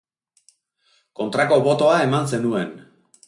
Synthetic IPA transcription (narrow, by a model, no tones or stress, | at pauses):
ko̞nt̪ɾako̞βo̞t̪o̞ae̞manse̞nue̞n